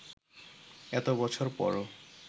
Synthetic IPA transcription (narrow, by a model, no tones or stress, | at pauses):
ɛt̪obɔt͡ɕʰoɾpɔ̰ɾo